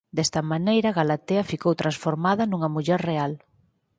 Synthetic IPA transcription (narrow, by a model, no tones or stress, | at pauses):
d̪ɛst̪ɐmanejɾɐɣalat̪eɐfikowt̪ɾansfoɾmaðɐnuŋɐmuʎɛɾreal